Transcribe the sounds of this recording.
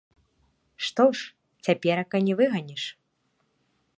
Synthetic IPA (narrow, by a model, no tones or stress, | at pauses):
ʂt̪ɔʂ | t͡sʲapʲɛɾɐkɐnʲɛvɨɣɐnʲiʂ